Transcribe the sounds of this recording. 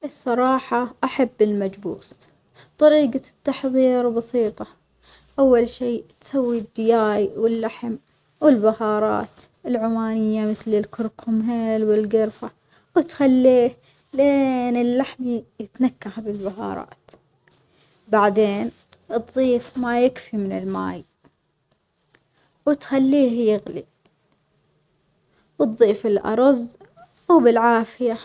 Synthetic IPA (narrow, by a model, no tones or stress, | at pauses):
ʔɨsˤːɑɾˤɑːħɑʔaħabːɪlmad͡ʒbṵːs | t̪ˤɑɾiːɡat̪ːɑħðˤiːɾbɑsiːt̪ˤɑ | ʔawːalʃiːt̪sawːid̪ːɪjaːjwɪlːaħm | wɪlbahɑːɾˤɑ̰ːt̪ | ɪlʕʊmaːnɪjːamɪθlɪlkʊɾkʰʊmɦeːlwɪlɡɪɾfa | wɪt̪xalːiːh | leːnɪlːaħmijɪt̪nakːahabɪlbahɑ̰ːɾˤɑ̰ːt̪ | baʕd̪eːn | ʔɨtd̪ˤːiːfmajɪkfimɪnɪlma̰ːj | wɪt̪xalːiːhjɪɣlḭ | wɨt̪ˤðˤːiːfɪlʔɑ̰ɾˤɑz | wbɪlʕaːfɪja